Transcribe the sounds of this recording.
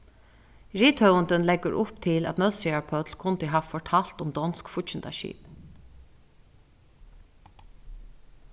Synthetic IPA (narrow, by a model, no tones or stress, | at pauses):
ɹiːt̪hœwənt̪ənlɛɡəɾʔʊpt̪ʰɪlæ̰t̪nœðsiaɹpʰœt̪lkʰʊnt̪ɪɦaːʋfɔɹʈʰal̥t̪ʊmd̪ɔnskfʊct͡ʃɪnt̪a̰ʃḭːp